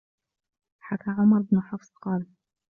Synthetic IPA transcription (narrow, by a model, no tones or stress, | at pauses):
ħakʰaʕʊmɑɾˤbnʊħafsqɑːl